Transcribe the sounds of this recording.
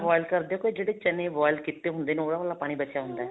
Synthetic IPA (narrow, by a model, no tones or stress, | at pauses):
ʋɔːɪlkəɾd̪eːokoːid͡ʒeːɽeːt͡ʃənẽːʋɔːɪlkɪt̪ːeːɦʊ̃nd̪eːneoːɽaːʋəːlːaːpaːɽ̃iːbət͡ʃjaːɦʊnd̪aɛ